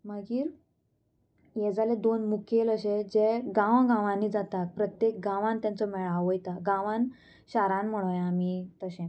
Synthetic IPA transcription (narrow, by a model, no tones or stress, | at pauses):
məɡiːɾ | jɛd͡zaled̪onmukʰeləɕed͡ʑeɡãʋɡãʋãnːiːd͡zat̪at̪̚pɾət̪jek̚ɡãʋãnt̪jãnt͡sɔmɛɭaʋɔjt̪aɡãʋãn | ɕaɾãnm̤əɽ̃ojamiːt̪əɕẽ